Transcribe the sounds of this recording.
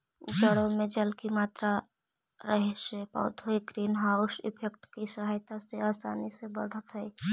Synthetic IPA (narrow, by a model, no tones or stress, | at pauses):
d͡ʒəɽomed͡ʒəlkimaːt̪ɾa | ɾəɦesepa̰ʊt̪ɦojɡɾiːnɦaʊsɪ̰pʰek̚ʈkisəɦajt̪aseaːsa̰ːnisebə̰ɽ̤ət̪ɦəj